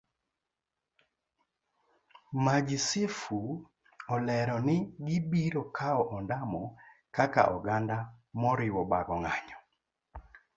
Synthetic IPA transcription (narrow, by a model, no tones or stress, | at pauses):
mad͡ʒɪsɪfu | ɔlɛɾɔnɪɡɪbiɾokʰaɔʔɔndamɔkaka̰ʔɔɡandamɔɾɪwɔbaɡɔŋaɲɔ